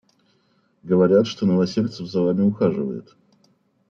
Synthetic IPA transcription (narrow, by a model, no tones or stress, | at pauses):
ɡəvɐɾʲat̪ʂt̪onəvɐsʲelʲt̪səvzɐvamʲɪʊxaʐɨvə̰jɪ̰t̪